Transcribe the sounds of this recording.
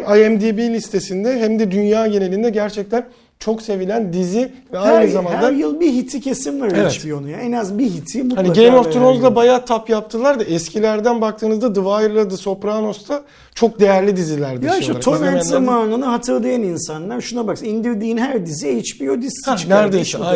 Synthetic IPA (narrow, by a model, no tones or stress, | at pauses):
aɛmd̪ibilʲist̪ʰe̞sind̪ɛɦæmd̪ɛd̪ynjaːje̞neind̪ɛɟæɾt͡ʃʰɛc̚t̪ʰæn | t͡ʃʰo̞kse̞vilʲænd̪izi | vɛahjnɯzamanh̪d̪aɾjɯlˠbiɦit̪ʰicʰe̞simlaɾevɛt͡ʃbijonujaenazbiɦit̪ʰimuhaniaɡejmoft̪ʰɾonzlˠabajat̪ʰapjap̚t̪ʰɯlˠaɾd̪aʔɛscʰilʲæɾd̪ænbakt̪ʰɯːnɯzd̪ad̪ɯvajɾlˠad̪ɯso̞pɾaːno̞st̪ʰa | t͡ʃʰo̞k̚d̪e̞jæɾlʲid̪izilʲæɾd̪aaat̪ʰomɛɾezamaːnɯnɯɦat̪ʰɯɾlˠajaninsanlˠaɾʃunabaksɯind̪iɾd̪iːnɦæɾd̪iziejit͡ʃbijod̪isʰat͡ʃnæɾd̪es